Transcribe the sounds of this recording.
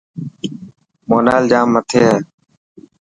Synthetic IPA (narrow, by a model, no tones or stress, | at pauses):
moːnaːld͡ʒaːmːət̪ʰeːɦɛː